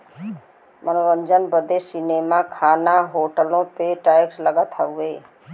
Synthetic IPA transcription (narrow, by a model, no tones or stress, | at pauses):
mənoɾəɲd͡ʒənbəd̪esineːmakʰaːnaɦoːʈəlõpeʈaːɪksləɡat̪ʰaueː